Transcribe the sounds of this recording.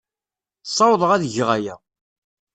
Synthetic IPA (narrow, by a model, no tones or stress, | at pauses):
sˤːɑwðˤəʁæðʝʁæjæ